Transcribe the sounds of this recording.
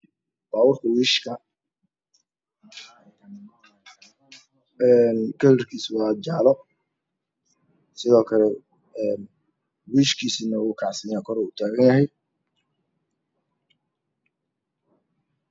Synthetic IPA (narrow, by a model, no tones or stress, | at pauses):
baːwɑrkʰɐwiːʃkʰɐ | ɛnkʰɐlɪrkʰiːswɑːd͡ʒaːlɔ | sɪðɔːkʰɐlɛ | ɛːn | wiːʃkʰiːsiːnɐwʊːkʰɑʕsɐjaːkʰɔɾɔːʊt̪ʰaːɣɐnjɐɦɛj